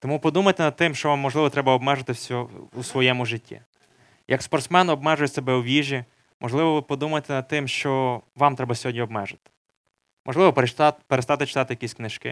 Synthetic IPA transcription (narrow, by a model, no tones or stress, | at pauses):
t̪ɔmupɔd̪umɐt̪ɪnɐd̪̚t̪ɪmʃt͡ʃɔʋamːɔʒlˠɪʋɔt̪ɾɛbɐɔbmɛʒɐt̪ɪsʲɔusʋɔjɛmʊʒɪtʲːḭ | jʔɐkspɐrt̪smɛnɔbmɛʒʊjɛsebɛwʋʲiʒʲi | mʔɔʒlˠɪʋɔʋɪpɔd̪umɐt̪ɪnɐd̪̚t̪ɪmʃt͡ʃɔʋɑmt̪ɾɛbɐsʲɔɦɔdʲɲʲiɔbmɛʒɐt̪ɪ̥ | mʔɔʒlɪʋɔpeɾest̪ɑt̪ɪt͡ʃɪ̥t̪ɑt̪ɪjɐkʲisʲknɪʃkɪ̰